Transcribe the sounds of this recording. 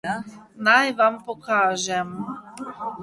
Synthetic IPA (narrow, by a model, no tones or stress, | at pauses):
najʋampokaːʒɛm